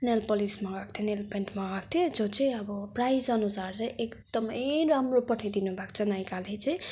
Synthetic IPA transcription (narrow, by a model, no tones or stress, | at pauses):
nelpʌlismaɡak̚t̪ʰjenelpenʈmãɡak̚t̪ʰjed͡zot͡sʌĩʌbʌprajzʌnusart͡saĩʔekd̪ʌmʌjɾamropʌʈʰid̪inubʱakt͡sʰʌnajkalet͡sʌĩ